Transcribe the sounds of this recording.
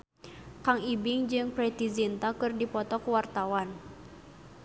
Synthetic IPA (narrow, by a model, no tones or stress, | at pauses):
kaŋibiŋd͡ʒɨŋpɾɛt̪izint̪akɨrdipɔt̪ɔkuwart̪awan